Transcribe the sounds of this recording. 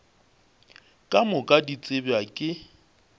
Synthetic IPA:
kʼamʊkʼadit͡sʼɪbakʼɪ

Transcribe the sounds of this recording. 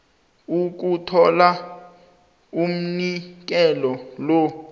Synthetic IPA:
uk̬utʰɔla | um̩nik̬ɛlɔlo

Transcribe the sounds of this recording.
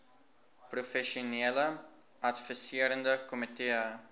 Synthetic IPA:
prufɛʃuneələ | ɐtfisiəɾəndəkɔmiteə

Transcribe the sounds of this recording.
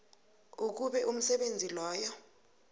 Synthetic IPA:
uk̬uɓɛʔum̩sɛɓend͡zʱilɔːjɔ

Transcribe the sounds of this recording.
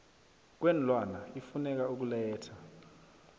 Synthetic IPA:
k̬wen̩lwanaifunɛk̬auk̬ulɛːtʰa

